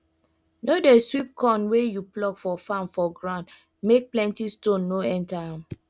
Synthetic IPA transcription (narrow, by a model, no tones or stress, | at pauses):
nodɛswip̚kʰɔ̃nwejuplɔkfɔfãmfɔɡɹãʊnd | mek̚plɛ̃ntistõnːoɛ̃ntaãm